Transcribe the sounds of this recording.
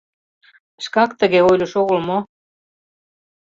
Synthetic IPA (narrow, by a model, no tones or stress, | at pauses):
ʃkɑkt̪əɣeojlʲoʃoɣəlmo